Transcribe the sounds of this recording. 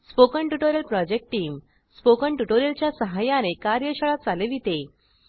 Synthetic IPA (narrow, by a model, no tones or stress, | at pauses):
spokəɳʈuʈoɾjəlpɾɔd͡ʑek̚ʈʈːiːm | spokəɳʈuʈoɾjəlt͡ɕjasəɦajanekaɾjəɕəɭat͡saleʋit̪e